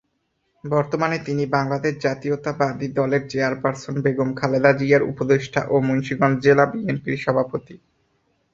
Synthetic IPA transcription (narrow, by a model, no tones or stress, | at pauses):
bɔɾt̪omanet̪inibaŋlad̪eʃd͡ʑat̪iot̪abad̪id̪ɔleɾd͡ʑeaɾpaɾsonbeɡomkʰaled̪ad͡ʑiaɾṵpod̪eʃʈʰa̰ʔomonʃiɡɔndd͡ʑelabienpiɾʃɔbʱapot̪i